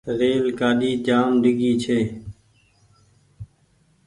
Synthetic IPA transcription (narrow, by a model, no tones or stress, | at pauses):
ɾeːlkaːɗiːd͡ʒaːmɖɪɡiːt͡ʃʰeː